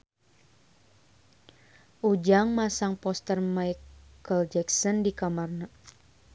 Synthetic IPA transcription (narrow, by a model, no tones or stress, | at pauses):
ʔud͡ʒaŋmasaŋpɔst̪ərmajkəld͡ʒɛksɔndikamarna